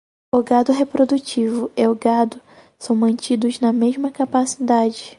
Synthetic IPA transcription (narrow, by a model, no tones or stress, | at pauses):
ʊɡad̪ʊɦepɾod̪ut͡ʃivʊeʊɡad̪ʊ | sɐ̃w̃mɐ̃nt͡ʃid̪ʊznɐmeʒmɐkapasid̪ad͡ʒɪ